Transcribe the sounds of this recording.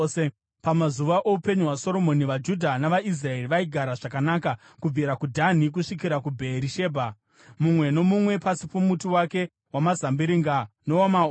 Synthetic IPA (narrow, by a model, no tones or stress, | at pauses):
e | pamazuʋaʔoupe̞ɲuwaso̞ɾo̞mo̞niʋad͡ʒudʱanaʋaʔis̬rae̞riʋaiɡʱaɾaʐakanaːka | kub͡vʱiɾakudʱan̤ik̬uʂik̬iɾakubʱeɾiʃe̞ːbʱa | mumwe̞no̞mumwe̞pasipomutiwake̞ | wamazambiɾiŋɡanoama